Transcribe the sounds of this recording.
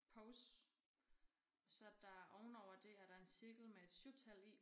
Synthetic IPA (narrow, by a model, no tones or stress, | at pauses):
pʰɔʊs | sɒ̽d̥ɑ̈æɐʔɒʊn̩ɒʊ̰ɐd̥e̝æɐɾ̥ɑ̈e̝nsiɐɡ̥l̩mee̝d̥suʊt͡sʰæl̰i